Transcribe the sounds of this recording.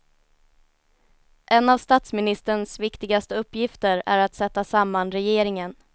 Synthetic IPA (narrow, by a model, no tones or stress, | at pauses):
ʔɛnavst̪at̪smɪnɪst̪ɾəɳsvɪkt̪ɪɡast̪əɵpːjɪft̪əɾæ̰ɾat̪sɛt̪ːasamːanɾɛjeːɾɪŋən